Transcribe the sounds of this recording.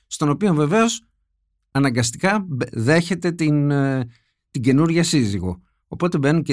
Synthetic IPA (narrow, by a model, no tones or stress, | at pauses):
st̪o̞no̞pio̞ɱve̞ve̞o̞s | ɐnɐŋɡɐst̪ikɐðe̞çe̞t̪e̞t̪in | t̪iɟe̞nuɾʝɐsiziɣo̞̰ | opo̞t̪e̞be̞nunce